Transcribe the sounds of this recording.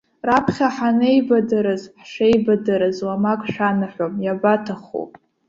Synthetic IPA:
rapʰχʲaħanejbadɨɾɨzħʂejbadɨɾɨzwamakʼʂanɨħʷomjabatʰaχo̰

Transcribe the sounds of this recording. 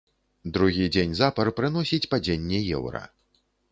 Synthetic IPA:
d̪ɾuɣʲid͡zʲenʲzapɐɾpɾɨn̪ɔsʲit͡sʲpad͡zʲenʲːɛjɛ̰wɾɐ̰

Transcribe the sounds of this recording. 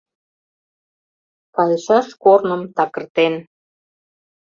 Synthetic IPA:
pɑlʃɑʃkornəmt̪ɑkə̆rt̪en

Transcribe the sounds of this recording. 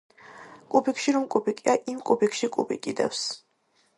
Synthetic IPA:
kʼupikʃiɾɔmkʼupikʼiaʔimkʼupikʰʃikʼṵpḭkʼid̪ɛ̰fs

